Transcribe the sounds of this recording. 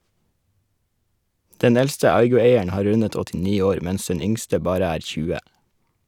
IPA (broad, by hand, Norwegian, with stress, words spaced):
ˈdɛn ˈɛlstə ˈɑɪɡʊˌeɪəɳ ˈhɑː ˈɾʉnət ɔtɪˈniː ˈoːɾ ˈmɛns ˈɛn ˈʏŋstə ˈbɑːɾə ˈæːɾ ˈçʉːə